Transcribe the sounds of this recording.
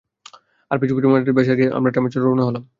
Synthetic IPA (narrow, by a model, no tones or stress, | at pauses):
aɾpit͡ɕʰukuʈimaaʈeɾbeʃeaɡeʔa̰mɾaʈamet͡ɕoɾɾooneɦolam